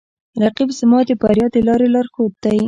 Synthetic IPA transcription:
ɾaqibsɪmɑd̪epaɾjɑd̪elɑɾelɑɾxot̪aj

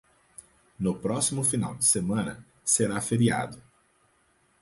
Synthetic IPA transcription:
nʊpɾɔsimʊfina̰wd͡ʒɪsemɐ̃nɐ | seɾafeɾia̰d̪ʊ

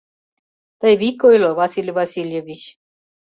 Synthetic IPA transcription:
t̪əjvikojlovasʲilʲvasʲilʲjevʲit͡ɕ

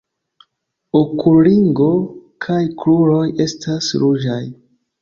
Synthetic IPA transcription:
okʰuliŋɡo̞kʰajkluɾo̞je̞stasɾud͡ʒaj

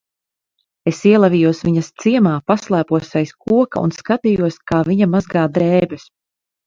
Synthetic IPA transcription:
esiɛlˠavijuɔsviɲɐst̪siɛmaːpaslˠæːpuɔsɛjskuɔkaṵnskat̪ijuɔskaːviɲamazɡaːd̪ɾɛːbɛs

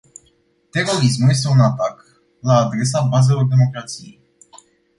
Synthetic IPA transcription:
t̪e̞ro̞ɾis̬mulje̞s̬t̪e̞unat̪ak | laːd̪ɾe̞s̬abaze̞lo̞rd̪e̞mo̞kɾat̪sijḛj

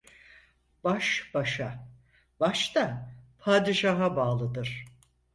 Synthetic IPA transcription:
b̥aʃb̥aʃa | baʃt̪apʰaːd̪iʃaɦabaːlˠɯd̪ɯɾ̥

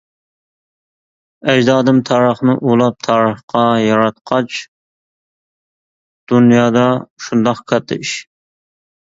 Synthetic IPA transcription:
ɛd͡ʒd̪ɑːd̪ɨmt̪ʰɑːɾəχnɨʔulˠɑp̚t̪ʰɑːɾəχqʰɑjɑɾɑt̪̚qʰɑt͡ʃ | d̪̥unjɑːd̪ɑʃund̪ɑqkʰɑt̪ʰɪ̰ʃ

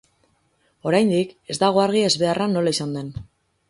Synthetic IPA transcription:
o̞ɾajnd̪ike̞zd̪aɣ̞o̞aɾɣ̞ie̞zβe̞arʔanːo̞laisand̪e̞n

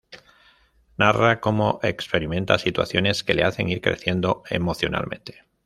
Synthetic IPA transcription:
narako̞mo̞ʔe̞kspe̞ɾimẽ̞nt̪asit̪wa̰θjo̞ne̞ske̞le̞aθe̞̰ŋiɾkɾeθje̞nd̪o̞e̞̰mo̞θjo̞na̰lmẽ̞nt̪e̞̥

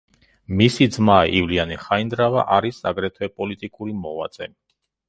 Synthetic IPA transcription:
misid̪zmaivlianiχaind̪ɾava̰ʔaɾisaɡɾɛt̪ʰwɛpʼɔlit̪ʼikʼuɾimɔva̰t̪zʼɛ

